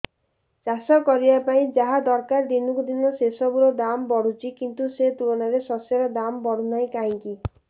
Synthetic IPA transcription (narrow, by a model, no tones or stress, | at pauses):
t͡ʃasɔkɔɾibapaĩd͡ʒaɦad̪ɔɾkaɾd̪inukud̪inɔsesɔbuɾɔd̪ambɔɽ̤ut͡ʃʰikint̪uset̪ulɔnaɾesɔsjɔɾɔd̪ambɔɽ̤unajkaɦĩŋki